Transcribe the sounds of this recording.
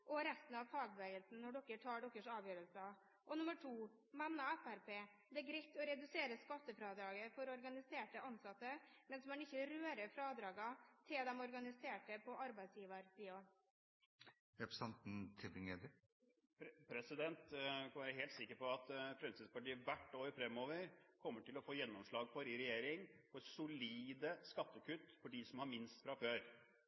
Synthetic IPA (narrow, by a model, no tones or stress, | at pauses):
ʔɔɾɛst̪n̩ɑʋfɑːɡ̚bəʋeːɡəlsn̩nːɔɖɔkːəʈʰɑːɖɔkːəʂɑːʋjøːɾəlsɑ | ʔɔnʊməʈʰuː | mɛnnɑɛfæɾpeː | d̪ɛɡɾɛt̪ːɔɾɛd̪ʉseːɾəskɑt̪ːəfɾɑːd̪ɾɑːɡəfɔɾɔɾɡɑnɪseːʈəɑnsɑt̪ːəmɛnsɔmæɳɪçːəɾøːɾəfɾɑːd̪ɾɑːɡɑt̪ʰɪld̪ɛmɔɾɡɑnɪseːʈəpʰɔʔɑɾbæɪsjiːʋəɾsiːo | ɾɛpɾəsɛnt̪n̩t̪ʰɪbɪŋeːd̪ə | ppʰɾɛsɪd̪ɛnt̪kʰɑnʋæːɾəɦeːlt̪sɪkːəɾpɔɑt̪fɾɛmsɪd̪spɑʈiːəʋæʈːoːəɾfɾɛmːoːʋəɾkʰɔmːəʈɪlɔfoːjɛnːɔmʂlɑːɡfɔɾɪɾɛjeːɾɪŋfɔsʊliːd̪əskɑt̪ːəkʉt̪ːfɔɖiːsɔmhɑɾmɪnst̪fɾɑføːɾ